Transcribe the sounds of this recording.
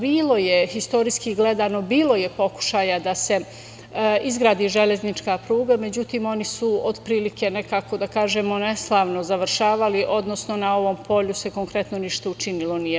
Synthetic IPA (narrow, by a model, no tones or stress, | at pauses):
biːlˠo̞jehist̪o̞ɾiskiɡle̞d̪ano̞biːlo̞je̞po̞ku̥ʃaːjad̪ase̞ | izɡɾaːd̪iːʒe̞ʎe̞znit͡ʃkapɾuːɡame̞d͡ʑut̪iːmo̞nisuod̪pɾiːlike̞ne̞kaːko̞d̪akaːʒemo̞ne̞slˠaːʋno̞zaʋɾʃaːʋaliʔo̞d̪no̞sno̞nao̞ʋo̞mpʰo̞ʎuse̞ko̞ŋkɾe̞t̪no̞niʃt̪aut͡ʃinilˠo̞nije